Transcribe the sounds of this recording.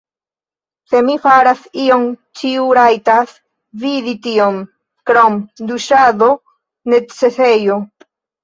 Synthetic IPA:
se̞mifaɾasio̞mt͡ʃiuɾajtas | viðitiom | kɾomd̪uʃaðo̞ | ne̞t͡se̞sejo

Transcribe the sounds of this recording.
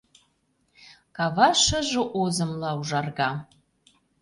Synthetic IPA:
kɑvɑʃəʒə̆ʔozə̆mlɑuʒɑrɣɑ

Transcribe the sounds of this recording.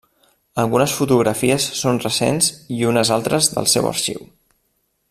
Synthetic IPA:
əlˠɣunəsfut̪uɣ̞ɾəfiəsːonrəsḛnziunəzalˠt̪ɾəzðə̰lˠsɛwə̰ɾʃḭw

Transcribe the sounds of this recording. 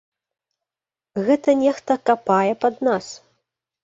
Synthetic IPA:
ɣɛt̪ɐnʲɛxt̪ɐkapajɛpɐd̪nas

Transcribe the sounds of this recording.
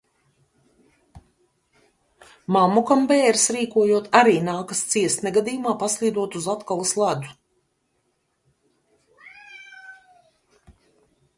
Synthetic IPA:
mamukambɛːɾsɾiːkuɔjuɔt̪aɾiːnaːkast̪siɛst̪nɛɡad̪iːjumaːpaslˠiːd̪uɔt̪uzat̪kalˠuslˠad̪u̥

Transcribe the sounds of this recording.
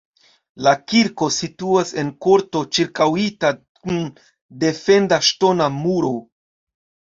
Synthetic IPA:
lakiɾko̞situase̞nko̞ɾto̞t͡ʃiɾkawita | kun | de̞fe̞ndaʃto̞namuɾo̞

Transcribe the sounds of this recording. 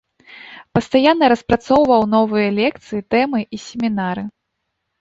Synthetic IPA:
pɐst̪ajanːɐɾɐspɾat̪sɔwvɐwnɔvɨjɐlʲɛk̚t̪sɨjit̪ɛmɨʔisʲemʲinaɾɨ

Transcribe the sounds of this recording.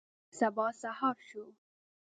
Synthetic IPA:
sabɑsahɑɾʃo

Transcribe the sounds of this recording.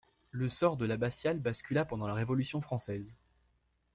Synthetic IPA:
ləsɔʁd̪əlabasjalbaskʲylapɑ̃d̪ɑ̃laʁevɔlysjɔ̃fχɑ̃sɛz

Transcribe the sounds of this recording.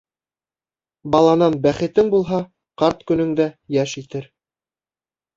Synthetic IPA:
bɑlˠɑnɑnbæχɘ̆t̪ɘŋbulˠɦɑ | qɑɾt̪kɵ̆nɵ̆ŋd̪æjæʃit̪ɘɾ

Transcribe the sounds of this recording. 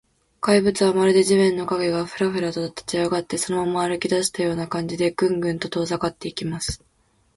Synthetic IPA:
kaibɯ̟t͡sɨβamaɾɯd̪e̞ʑiβɯ̃nːo̞kaɡe̞ɡaɸɯ̟ɾaɸɯ̟ɾat̪ot̪at̪ːḁt͡ɕiaɡat̪ːe̞so̞no̞mamoaɾɯ̟kʲid̪aɕi̥t̪ajo̞ːnakãɲ̟d͡ʑid̪e̞ɡɯ̟̃ŋɡɯ̟̃nt̪o̞t̪o̞ːzakat̪ːe̞ikʲimasɨ̥

